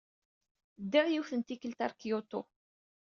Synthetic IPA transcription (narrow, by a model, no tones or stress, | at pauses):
d̪ːiʕjiwθənt̪ikːəlt̪aɾˤkijot̪ʊ